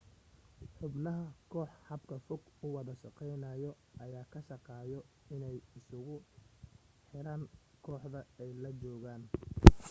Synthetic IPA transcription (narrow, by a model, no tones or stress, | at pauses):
ħʊbnɐɦɐkʰɔːħhɑbkʰɐfʊɡʊwɑðɐʃɑqɛjnɐːjɔ | ɐjaːkʰɐʃɑqɑːjɔ | ɪnɛjɪsʊɣʊ | ħɪɾaːŋkʰɔːħðɐɛjlɐt͡ʃɔːɣaːn